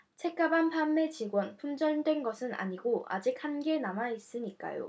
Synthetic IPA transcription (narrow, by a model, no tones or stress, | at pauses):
t͡ɕʰe̞k͈̚abanpʰamːe̞t͡ɕiɡwʌnpʰumd͡ʑʌɭdwe̞nɡʌsʰɯna̰ɲiɡoa̰d͡ʑik̚hanɡe̞namais͈ɯɲik͈a̰jo̰